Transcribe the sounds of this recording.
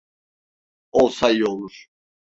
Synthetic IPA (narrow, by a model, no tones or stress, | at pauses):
olˠsajolˠuɾ̥